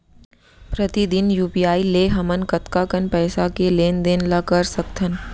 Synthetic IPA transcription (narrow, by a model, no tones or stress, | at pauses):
pɾət̪id̪ɪnjuːpijaːileɦɐmənkɐt̪kakənpɛːsakeleːnd̪eːnlakəɾsɐkt̪ʰən